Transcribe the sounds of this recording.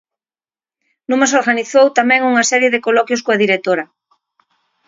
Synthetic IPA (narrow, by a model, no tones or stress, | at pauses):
nũmas̬oɾɣaniθowt̪amɛ̃ŋuŋɐsɛɾjeðekolɔkjoskoaðiɾet̪oɾɐ